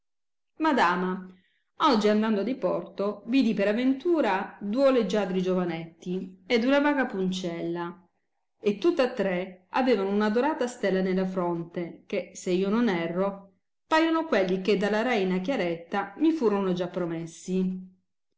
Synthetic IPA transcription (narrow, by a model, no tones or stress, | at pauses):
mad̪aːma | ɔd͡ʒːiand̪and̪oad̪ipɔrt̪ovid̪ipeɾavːent̪uːɾad̪uoled͡ʒad̪ɾid͡ʒovanɛt̪ːied̪unavaːɡapunt͡ʃɛlːa | et̪ːut̪ːat̪ːɾeaveːvanounad̪oɾaːt̪ast̪ɛlːanelːafɾɔnt̪ekeseiːononɛrːo | paːjonokwelːiked̪alaɾɛjinakjaɾɛt̪ːamifuːɾonod͡ʒapːɾomesːi